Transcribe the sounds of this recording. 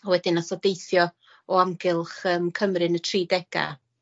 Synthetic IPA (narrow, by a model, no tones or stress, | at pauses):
ɔwɛdɪnasɔdejθjɔ | ɔaŋɡɪlˠχəːmkʰəmrɨnətʰriːdɛɡ̥a̰